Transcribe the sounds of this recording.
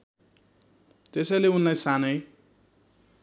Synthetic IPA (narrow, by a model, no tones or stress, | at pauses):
t̪esʌjleunlajsanʌj